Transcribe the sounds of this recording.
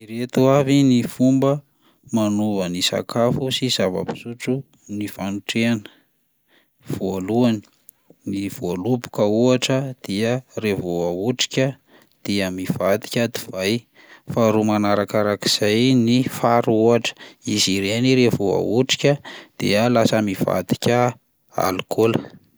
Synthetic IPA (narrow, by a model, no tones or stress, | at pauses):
iɾet̪uavinifumbə | manuvənisa̰kafusiz̥avə̰pi̥suʈ͡ʂu | nifanuʈ͡ʂeanə̥ | v̥oaluani̥ | niv̥oalubu̥kəuaʈ͡ʂəd̪̥iərevoauʈ͡ʂi̥kʲə | d̪̥iəmiv̥ad̪i̥kʲəd̪i̥v̥aj | faɾumanaɾakaɾakiz̥ajnifaɾuaʈ͡ʂə̥iziɾeniɾevoa̰uʈ͡ʂi̥kʲəd̪̥ḛəlasəmiva̰d̪i̥kʲə | a̰lkʰolə